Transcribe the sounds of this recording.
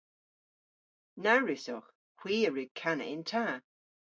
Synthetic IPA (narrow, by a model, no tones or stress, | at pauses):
naɹɪsɔx | hwiːəɹɪɡ̚kʰanə̰ɪntʰaː